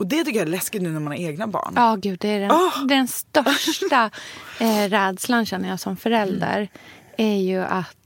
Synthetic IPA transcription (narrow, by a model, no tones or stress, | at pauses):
ɔd̪ɛt̪ʏkːəjaæɾlɛskɪt̪nʉ̟ːnæɾmanaɾeːɡnabɑ̰ːɳɑːɡʉ̟ːd̪ːɛæɖɛd̪ɛnst̪œʂʈa | ɾɛːd̪slanɕɛnːəjɑːsɔmfœɾɛld̪ə̰ɾæɾjɵʔat̪